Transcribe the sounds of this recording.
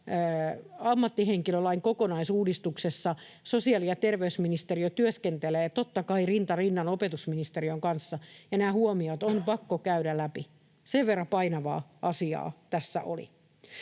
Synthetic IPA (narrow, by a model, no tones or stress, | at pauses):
ɑmːɑt̪ːiɦeŋkilølɑiŋkokonɑisuːdist̪uksesːɑ | sosiɑliɑt̪erʋeysminist̪eriot̪yøskent̪eleːt̪ot̪ːɑkɑirint̪ɑrinːɑnopet̪usminist̪eriøŋkɑnsːɑjɑnæːhuomiot̪onpɑkːokæyɾælæpi | seʋʋerːɑpɑinɑʋɑ̰ːʔɑsiɑ̰ːt̪æsːæ̰ʔo̰lḭ